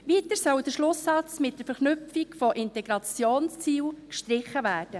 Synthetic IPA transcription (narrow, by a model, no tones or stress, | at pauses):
ʋiːtəɾsœld̥̪əʃlʊsːɑt͡smɪt̚d̥əɾfɛɾχnʏpfikfɔʔɪntɛɡɾɑt͡sjoːnst͡siːlkʃtɾɪχəvæːɾd̥ə